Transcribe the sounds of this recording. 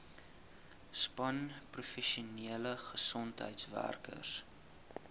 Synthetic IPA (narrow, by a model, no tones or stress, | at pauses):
spɐnprufɛʃiuniələχəsɔntɦə̰jtsvæ̰rkə̰s